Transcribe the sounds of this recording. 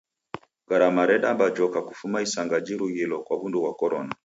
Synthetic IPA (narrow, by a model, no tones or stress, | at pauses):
ɡ̥aɾamaɾɛɗambad͡ʒɔkaku̥fumaisaŋɡad͡ʒiɾuɣilɔkwaβunduwakɔɾɔna